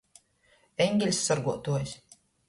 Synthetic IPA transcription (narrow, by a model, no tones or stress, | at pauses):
ɛɲɡʲelʲsʲːaɾɡuɔt̪uɔjsʲ